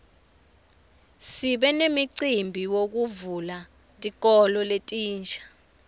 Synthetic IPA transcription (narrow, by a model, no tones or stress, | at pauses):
siɓɛnemiǀimbʱiwok̬uvula | tʼik̬ʼɔlɔletʼiːnt͡ʃʰʼḁ